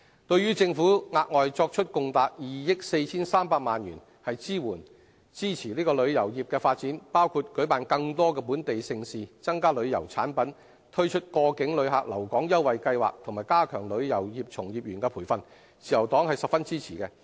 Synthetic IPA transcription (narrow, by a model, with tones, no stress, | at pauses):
t̪ɵ˧ɥyː˥t͡sɪ˧ŋfuː˨˥ŋaː˧t̚ŋɔː˨jt͡sɔː˧k̚t͡ʃʰɵ˥t̚kʊ˨ŋt̪aː˨t̚jiː˨jɪ˥k̚se˧jt͡sʰiː˥nsaː˥mpaː˧k̚maː˨nɥyː˨˩n | hɐ˨jt͡siː˥wuː˨˩n | t͡siː˥t͡sʰiː˨˩liː˥kɔː˧lɵ˨˧ɥjɐ˨˩wjiː˨p̚kɛː˧faː˧t̚t͡siː˨˥npaː˥wkʰuː˧t̚kɵ˨˥ɥpaː˨nkɐ˧ŋt̪ɔː˥kɛː˧p̬uː˨˥nt̪e˨jsɪ˧ŋsiː˨t͡sɐ˥ŋkaː˥lɵ˨˧ɥjɐ̰˨˩wt͡sʰaː˨˥npɐ˨˥n | t̪ʰɵ˥t͡ʃʰɵ˥t̚kɔː˧kɪ˨˥ŋlɵ˨˧ɥɦa̰ː˨k̚lɐ˨˩wkɔː˨˥ŋjɐ˥wwɐ˨jkɐ˧jwa̰ː˨k̚t̪ʰʊ˨˩ŋmaː˨˩jkaː˥kʰœː˨˩ŋlɵ˨˧ɥjɐ˨˩wjiː˨˩p̚t͡sʰʊ˨˩ŋjiː˨p̚jyː˨˩nkɛː˧pʰuː˨˩jfɐ˨n | t͡siː˨jɐ˨˩wt̪ɔː˨˥ŋhɐ˨jsɐ˨p̚fɐ˥nt͡siː˥t͡sʰiː˨˩kɛ˧